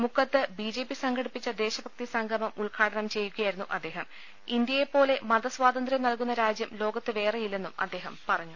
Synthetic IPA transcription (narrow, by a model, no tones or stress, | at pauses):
mukʰːɐt̪ːɨbid͡ʑe̞ːpːisɐŋɡʱɐɽipːit͡ɕːɐd̪e̞ːɕɐbʱɐk̚t̪isɐŋɡʰʱɐmɐmuɭkʰaːɽɐɳɐmt͡ɕe̞jːuɣɐjaːjiɾunːuʔɐd̪ːe̞ːɦɐm | ind̪jɐjepːo̞ːle̞mɐd̪ɐswaːd̪ɐnd̪rɐmnɐlkunːɐɾaːd͡ʑjɐmlo̞ːɡɐt̪ːɨʋe̞ːrejilːe̞nːumɐ̰d̪ːe̞ːɦɐmpɐrɐɲːu